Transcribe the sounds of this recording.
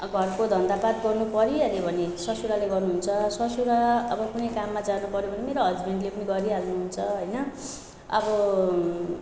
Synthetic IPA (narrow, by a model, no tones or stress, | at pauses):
ɡʱʌrkod̪ʱʌnd̪apat̪̚ɡʌrnupʌɾialebʱʌnesʌsuɾaleɡʌrnuɦunt͡sʰʌsʌsuɾaʌbʌkunʌjkamːad͡zanupʌɾjobʌnemeɾoɦʌd͡zbʱeɳʈlepʌniɡʌɾialnuɦunt͡sʰʌɦʌjnʌ | ʌ̰bʌ